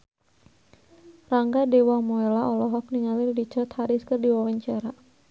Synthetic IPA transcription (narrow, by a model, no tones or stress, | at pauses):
raŋɡadewamɔɛlaʔɔlɔɦɔk̚niŋalɪrdit͡ʃɔt̪haɾiskərdiwawaɲt͡ʃaɾa